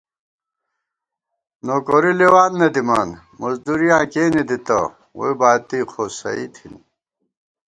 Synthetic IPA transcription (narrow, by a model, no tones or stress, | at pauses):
noːkoɾilewaːnːɐd̪imaːn | mɐzd̪uɾijãːkeːnid̪it̪ɐ̰ | wo̰ibaːt̪iqʰosɐ̰ḭt̪ʰḭn